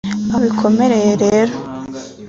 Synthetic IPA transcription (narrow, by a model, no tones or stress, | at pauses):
aβikʰo̞me̞ɾe̞jeɾe̞ːɾo